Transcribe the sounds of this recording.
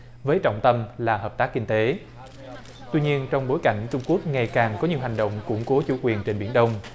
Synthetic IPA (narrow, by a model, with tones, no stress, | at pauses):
vəː˨˦jt͡ɕɔ̰˧˨ŋ͡mt̪ə˧mlaː˨˩həː˨˩p̚t̪aː˦˥k̚kï˧ŋ̟t̪e˨˦ | t̪wi˧ɲi˧ənt͡ɕɔ˧wŋ͡mɓo˨˦jka̰˧˩˨jŋ̟t͡ɕʊ˧ŋ͡mku˦˥ək̚ŋa˨˩jkaː˨˩ŋkɔ˨˦ɲi˨˩əwɦa˨˩jŋ̟ɗo̰˧˨wŋ͡mkʊ̰˧˩˥ŋ͡mko˨˦t͡ɕṵ˧˩kwi˨˩ənt͡ɕe˧nɓḭ˧˩ənɗə˧wŋ͡m